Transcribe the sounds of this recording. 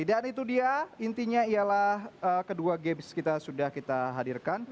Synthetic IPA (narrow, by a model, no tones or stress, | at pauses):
t̪idaʔanit̪udiaint̪iɲaijalahəːkəduaɡebskit̪asudahkit̪aɦadirkan